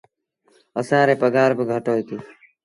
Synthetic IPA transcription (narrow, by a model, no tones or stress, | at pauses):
əsãːɾeːpəɡaːɾbʱəɡʱəʈoːit̪iː